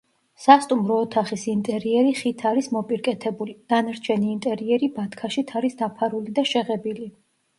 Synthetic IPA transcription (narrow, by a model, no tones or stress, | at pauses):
sast̪ʼumɾɔːt̪ʰaχisint̪ʼɛɾiɛɾiχit̪ʰaɾismɔpʼiɾkʼɛt̪ʰɛbulid̪̥anaɾt͡ʃʰɛniːnt̪ʼɛɾiɛɾibat̪ʰkʰaʃit̪ʰaɾisd̪apʰaɾulid̪aʃɛʁɛbili